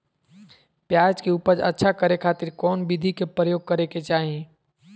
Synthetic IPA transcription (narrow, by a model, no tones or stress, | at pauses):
pjaːd͡ʒkeuːpəɾə̰tːʃʰakəɾekʰaːt̪iɾkɔːnbid̪ʱikepɾəjoːɡ̚kəɾeket͡ʃaːɦi